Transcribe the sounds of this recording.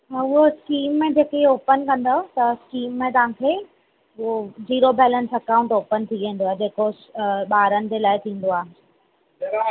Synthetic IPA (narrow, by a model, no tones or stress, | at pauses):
ʊɦoskiːmːẽd͡ʑeːkeoːpənkɐ̃nd̪ot̪ɐskiːmːẽt̪ɐʋ̤ãkʰeː | oziːɾobɛːlənsɐkãːũɳʈoːpənt̪ʰiʋẽːn̆d̪oaːd͡ʑeːko | ɓaːɾənɪ̆d͡ʑelaːɪt̪ʰĩːn̆d̪oaːɦ